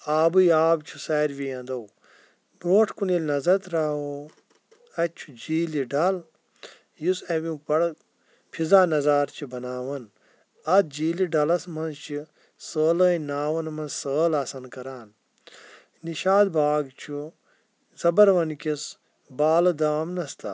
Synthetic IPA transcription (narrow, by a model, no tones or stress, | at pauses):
aːbɨjaːbt͡ʃʰu̥saːɾʋijɐ̃nd̪ɐw | boːʈʰkunilʲnɐzɐt̪ɾaɦoː | ɐt͡ʃʰud͡ʒiːliɖɐl | jusɐʋʲũpɐɽ | pʰizaːnɐzaːɾt͡ʃʰibɐnaːʋɐn | ɐt̪̚d͡ʒiːliɖɐlɐsmɐnzt͡ʃʰi | səːləːinaːʋɐnmɐsəːlaːsɐnkɐɾaːn | niʃaːd̪baːɡt͡ʃʰu | zɐbɐɾʋɐnkʲis | baːlɐd̪aːmnɐst̪ʰa̰